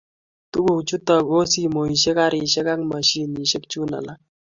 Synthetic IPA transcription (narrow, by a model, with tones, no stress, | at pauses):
tu˦ku˨kt͡ʃu˦ta˨ko˦si˦˨mo˨i˨ʃe˦ka˦ɾi˨ʃe˦ka˦ŋma˨ʃi˦ni˨ʃe˦k̚t͡ʃu˦na̰˨la˦